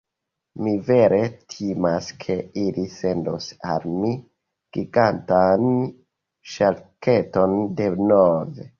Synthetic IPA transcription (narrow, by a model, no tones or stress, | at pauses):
mive̞ɾe̞tʰimaskʰe̞ilise̞ndo̰sa̰lmi | ɡ̥iɡantan | ʃalke̞to̞nde̞nove